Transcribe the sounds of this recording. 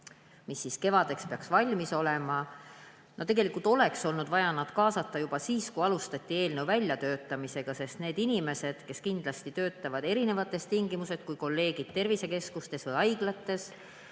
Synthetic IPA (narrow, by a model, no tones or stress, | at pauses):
misːiske̞vɑd̪̥e̞kspe̞ɑksvɑlʲmiso̞le̞mɑ | nʔo̞t̪e̞ɡelikult̪o̞le̞kso̞lnud̪̥vɑjɑnɑd̪̥kɑːsɑt̪ːˑɑjub̥ɑsiːskujɑlust̪ɑt̪ʲːˑie̞ːlne̞wvælʲjɑt̪ø̞ːt̪ːˑɑmise̞ɡ̥ɑse̞st̪ne̞ːd̪inʲime̞se̞d̪̥ke̞skind̪lɑst̪it̪ø̞ːt̪ːˑɑvɑd̪e̞ɾine̞vɑt̪ːˑe̞st̪iŋɡimusest̪̚kujko̞lːe̞ːɡ̥id̪̥̚t̪e̞rvise̞ke̞skust̪e̞svɯjɑjɡ̥lɑt̪ːˑe̞s